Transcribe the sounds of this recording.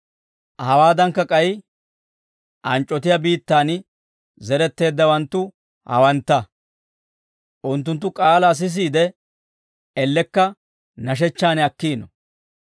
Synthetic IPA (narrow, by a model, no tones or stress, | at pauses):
hɐwaːd̪ɐŋkːɐkʼɐj | ʔɐnt͡ʃʼːɔt̪ɪjabiːt̪ːaːn | zɛɾɛt̪ːe̞ːd̪ːɐwɐnt̪ːʊ | hɐ̰wɐnt̪ːɐ | ʔʊnt̪ːʊnt̪̬ːʊkʼaːlɐs̬ɪs̬iːd̪ɛ | ɛlːɛkːɐ | nɐʃ̬ɛt͡ʃːaːnɛɐkːiːnɔ